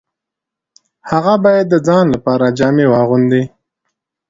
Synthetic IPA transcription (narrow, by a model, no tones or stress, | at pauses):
haɣabɑjad̪ːəd͡zɑnlapɑɾad͡ʒɑmewɑɣʊnd̪i